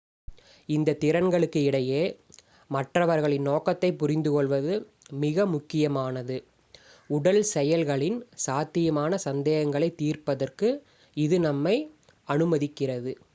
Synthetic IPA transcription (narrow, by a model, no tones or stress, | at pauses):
ɪnd̪ɐt̪ɪɾɐnɡɐɭɯkːɯɪɽɐjeː | mɐʈrɐʋɐɾɣɐɭɪnnoːkɐt̪ːɐɪpːʊɾɪnd̪ɯkɔɭʋɐðɯ | mɪɣɐmʊkːɪjɐmaːnɐðɯ | ʊɽɐlsɛjɐlɣɐɭɪnsaːt̪ːɪjɐmaːnɐsɐnd̪eːɣɐŋɡɐɭɐɪt̪ːiːrpɐðɐrkɯ | ɪðɯnɐmːɐɪ | ɐnɯmɐðɪkːɪrɐðɯ